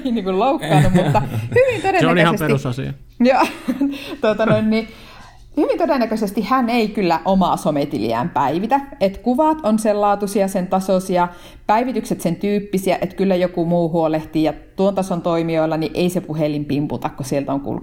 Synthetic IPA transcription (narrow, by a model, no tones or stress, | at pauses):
iniːŋkulloukːɑːnummut̪ːɑhyʋint̪odenːæløhɑseset̪issɑsḭɑ | jo | t̪uot̪ɑnoinːi | hyʋint̪odenːækøsest̪ihhæneikylːæʔomɑsomet̪ilḭæ̰ːmpæiʋit̪æet̪kuʋɑt̪onsellɑːt̪usiɑsent̪ɑsoˑsiɑ | pæiʋit̪ykset̪sent̪yːpːisiæʔet̪kylːæjokumuːhuoleht̪iːjɑt̪uont̪ɑsont̪oimioilːɑniʔeisepuhelimpimpṵt̪ɑkkosielt̪oŋkṵlk